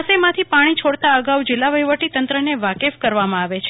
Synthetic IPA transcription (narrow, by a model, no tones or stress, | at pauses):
semãt̪ʰipaɽ̃it͡ʃʰoɽt̪aəɡaud͡ʒɪlːaʋəjʋəʈit̪ənt̪ɾəneʋakefkəɾʋamãaʋet͡ʃʰ